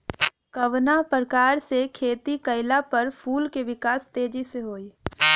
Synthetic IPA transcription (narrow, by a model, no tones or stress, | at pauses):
kɐʋnapɾəkaːɾsekʰeːt̪ikəɪlapəɾpʰuːlkeʋɪkaːst̪eːd͡ʒiseɦoːiː